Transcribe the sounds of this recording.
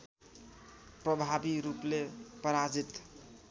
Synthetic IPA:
prʌbʱabiɾuplepʌɾad͡zit̪

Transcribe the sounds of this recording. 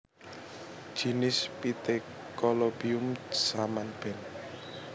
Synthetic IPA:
d̥ʒ̥i̤nɪspit̪e | kɔlobiʊmsamanb̥ɛ̤n

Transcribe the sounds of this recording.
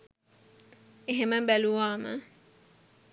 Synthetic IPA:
eɦeməbɛluwaːmə̰

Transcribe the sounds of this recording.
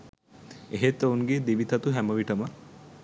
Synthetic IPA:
eɦet̪ːoŋɡed̪iʋit̪ɐt̪uɦæməʋiʈəmə

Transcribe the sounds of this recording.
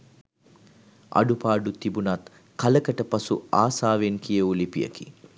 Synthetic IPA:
ʔɐ̰ɖupaːɖut̪ibunɐt̪ | kɐləkəʈəpɐsṵaːsaːʋeŋkijəulipijə̰ki

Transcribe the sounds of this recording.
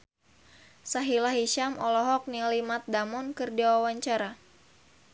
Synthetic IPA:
saɦilaɦiʃamʔɔlɔɦɔk̚nilimat̪̚damɔnkɨrdiwawaɲt͡ʃaɾa

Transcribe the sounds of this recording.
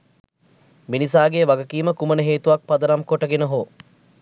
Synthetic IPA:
minisaːɡeːʋaɡəkiːməkumənəɦeːt̪uʋak̚pɐd̪ɐɾamkoʈəɡenəɦoː

